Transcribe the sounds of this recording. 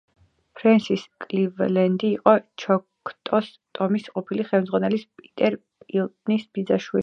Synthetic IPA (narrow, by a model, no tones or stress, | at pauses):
pʰɾɛnsiskʼlivlɛnd̪iːqʼɔt͡ʃʰɔkʰt̪ʼɔs | t̪ʼɔmisqʼɔpʰiliχɛlˠmd̪zʁwanɛlispʼit̪ʼɛɾpʼilˠt̪ʼnisbid̪zaʃwi